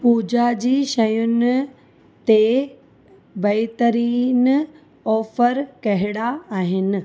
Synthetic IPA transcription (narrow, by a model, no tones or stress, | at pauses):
puːd͡ʑad͡ʑiːʃɐjʊnɪ̆ | t̪e | bɐɪt̪əɾiːn | ɔːfəɾkɐɦɪɽaaːɦɪnɪ̆